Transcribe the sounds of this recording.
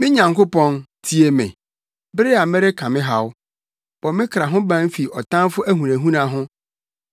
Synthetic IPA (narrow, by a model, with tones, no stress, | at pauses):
mɪ̃˦ɲã˨ŋko˦pɔ̃˦ntʰi˦e˨mɪ̰̃˨ | bɾɪ˦a˨mɪ̃˦ɾɪ˦kʰã˨mɪ̃˦ɦa˨w | b̥ɔ˨mɪ̃˦kʰɾa˨ɦʊ̃˦bã˦m˦fi˨ʔɔ˨tʰã˦nfʊ˦ʔæ˦ɦũ˨næ̃˨ɦũ˦nã˨ɦʊ̃˦